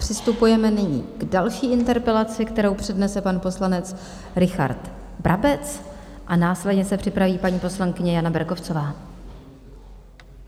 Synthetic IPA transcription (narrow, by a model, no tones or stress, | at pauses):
pr̝̥ɪst̪upujɛmɛnɪɲḭːɡ̥dalʃiːʔɪnt̪ɛɾpɛlat͡sɪkt̪ɛɾo̞wpr̝̥ɛdnɛsɛpanpo̞slanɛt͡s | ɾɪxa̰ɾt̪ | bɾʔabɛt͡s | ʔanaːslɛdɲɛsɛpr̝̥ɪpɾaviːpaɲiːpo̞slaŋkɪɲɛjanabɛɾko̞ft͡so̞vaː